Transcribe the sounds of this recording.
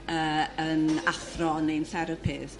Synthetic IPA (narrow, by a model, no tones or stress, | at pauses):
əənafrɔnejnθɛɾəpʰɪð